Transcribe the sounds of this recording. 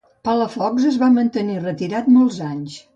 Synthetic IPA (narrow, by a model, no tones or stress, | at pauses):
paləfɔkzəzβamənt̪ənirət̪iɾat̪mɔlˠzaɲs